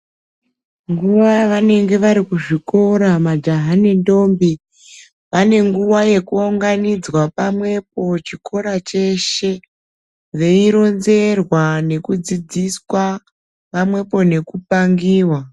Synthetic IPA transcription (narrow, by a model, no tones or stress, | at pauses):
ŋɡuʋaʋane̞ŋɡe̞ʋaɾikuʐiko̞ɾamad͡ʒaɦanendo̞ːmbi | ʋane̞ŋɡuwaje̞kuoŋɡanid͡zwapamwe̞p̚o̞t͡ʃikʰo̞ɾat͡ʃe̞ʃe̞ | ʋe̞iɾo̞nze̞rwane̞kud͡zid͡ziswa | pamwe̞po̞ne̞kupaŋɡiːwa